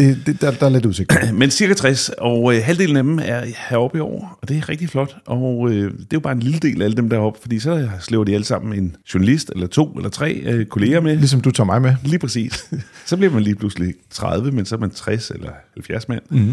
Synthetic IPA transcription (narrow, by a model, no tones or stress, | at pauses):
d̥e̝d̥ed̥d̥ɑ̈ɐle̝d̥uðˠseɡ̥̚mensiɐɡ̥æt͡sʰʁɛsɒ̽ʊøɦæld̥e̝ːln̩æd̥em̩æɐhæɒ̽b̥iɒʊ̰ɐɒ̽d̥e̝æɐʁɛɡ̥̚d̥iflɒ̽d̥ʔɒ̽ød̥e̝jʊbɑːe̝nliləd̥e̝̰ːlʔææləd̥emd̥æ̰ɐɒ̽b̥fɒd̥ḭːsɒ̽sleʊɐd̥iæləsɑ̈m̰n̩e̝nɕʊɐnælisd̥elɐt͡sʰo̝̰ːelɐt͡sʰʁɛ̰ːkʰo̝le̝ːɐmelisɒ̽md̥ut͡sʰɑ̰̈ːmɑ̈ɪmeliːpʰʁasḭːssɒ̽b̥liɐmænliːpʰluslit͡sʰʁɑð̞ˠʋəmensɒɐmænt͡sʰʁɛselɐhælfjæɐsmæn̰